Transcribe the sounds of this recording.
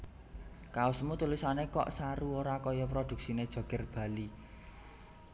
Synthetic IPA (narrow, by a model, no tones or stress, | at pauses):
kaʊsmut̪ulusanekɔ̰ʔsaɾuoɾakɔjɔpɾod̪̥ṳk̚sined̥ʒ̥ɔ̤ɡ̥ə̤rb̥ä̤li